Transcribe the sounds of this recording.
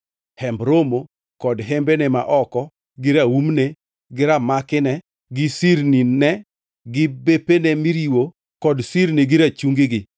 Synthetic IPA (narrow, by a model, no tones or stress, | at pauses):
hɛmbɾomo | kɔdɦembenɛma̰ʔɔkɔ | ɡɪɾaumne | ɡɪɾamakɪnɛ | ɡɪsiɾninɛ | ɡɪbepenɛmiɾiwo | kɔdsiɾniɡɪɾat͡ʃuŋɡɪɡɪ